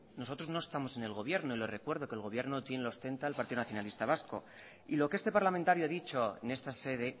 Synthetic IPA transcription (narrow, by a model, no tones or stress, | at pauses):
no̞so̞t̪ɾozno̞est̪amo̞sene̞lɣo̞βje̞ɾnoile̞re̞kwe̞ɾð̞o̞keːlɣo̞β̞je̞ɾno̞t̪jenelost̪e̞nt̪aːlpaɾt̪iðo̞naθjo̞nalist̪aβ̞asko̞̰ | ilo̞keest̪e̞paɾlamẽnt̪aɾjoaðit͡ʃo̞ḛne̞st̪ase̞ðe̞